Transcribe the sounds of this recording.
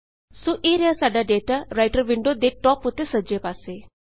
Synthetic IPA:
suʔiɾiəsaɖaɖeʈaɾajʈəɾʋiɳɖod̪eʈɔput̪esəd͡ʒepase

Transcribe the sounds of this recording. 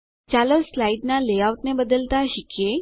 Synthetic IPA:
t͡ɕaloslaiɖnaleaʋt̪nẽbəd̪əlt̪aɕikje

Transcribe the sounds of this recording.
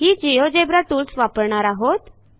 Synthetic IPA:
ɦiːd͡ʑijod͡ʑebɾat̪uːlsʋapəɾɳaɾaɦot̪

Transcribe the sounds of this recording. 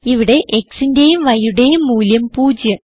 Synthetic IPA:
iʋiɽe̞ʔeksinde̞jumʋɐjuɽe̞jumːuːljɐmpuːd͡ʑjɐ

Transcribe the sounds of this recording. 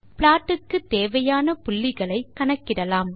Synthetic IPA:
pɭaːʈːɯkːɯt̪eːʋɐjaːnɐpʊlːɪɣɐɭɐɪkːɐɳɐkːɪɽɐlaːm

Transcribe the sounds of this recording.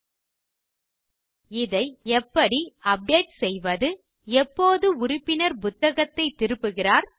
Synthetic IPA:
ɪðɐɪɛpːɐɽiɐp̚ɖeːʈsɛjʋɐðɯ | ɛpːoːðɯʊrɪpːɪnɐɾpʊt̪ːɐɣɐt̪ːɐɪt̪ːɪɾɯpːɯɣɪraːɾ

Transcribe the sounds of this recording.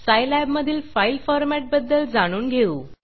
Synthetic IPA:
sajlɛbməd̪ʱiːlfailfɔɾmæʈ̚bəd̪ːəld͡zaɽ̃uːnɡʱeuː

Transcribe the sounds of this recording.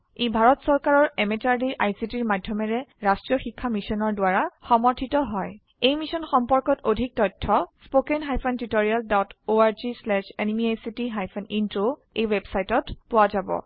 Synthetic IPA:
ebʱaɹɔtsɔɹkaɹɔɹɛmɛtaɹdiʔajsitiɹmadʱjɔmɛɹɛɹastɹiɔxikʰːamisɔnɔɹdʊaɹaxɔmɔɹtʰitɔɦɔj | ejmisɔnxɔmpɔɹkɔtodʱik̚tɔtʰːɔspokɛnɦajpʰɔntitoɹialdɔtoaɹzislɛsenimiajsitiɦajpʰɔnintɹo | ejwebsajtɔtpʊwazabɔ̰

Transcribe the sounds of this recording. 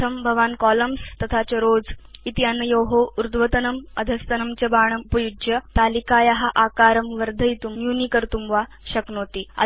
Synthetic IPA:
əmbʱɐʋaːnkɔləmst̪ɐt̪ʰat͡ɕeɾoːd͡zit̪janːɐjoɦouɾd̪ʋət̪ɐnɐməd̪ʱəst̪ɐnɐmt͡ɕebaːɳ̃ɐpɐjud͡ʒjət̪alikaːjaɦaʔakaɾəmʋəɾd̪ʱəjit̪ummjunikəɾt̪umʋa | ɕɐknoːt̪iːa̰

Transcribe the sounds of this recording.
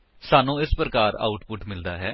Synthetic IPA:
saːnũːɪspɾəkaːɾa̰ːʊʈpʊʈmɪld̪aːɦɛː

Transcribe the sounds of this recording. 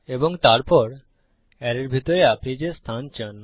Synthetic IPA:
eboŋt̪aɾpɔɾ | ɛɾeɾbʱit̪oɾeapɾid͡ʑest̪ʰant͡ɕən

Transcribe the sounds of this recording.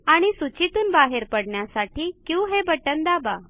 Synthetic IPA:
aɽ̃isut͡ɕit̪uːnbaɦeɾpəɽɳjasaʈiːkjiũɦebəʈənd̪aba

